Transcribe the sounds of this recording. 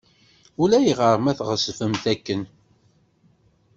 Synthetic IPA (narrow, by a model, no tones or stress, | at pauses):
ʊlæjəʁəɾˤmæθʁəsfəmθækːən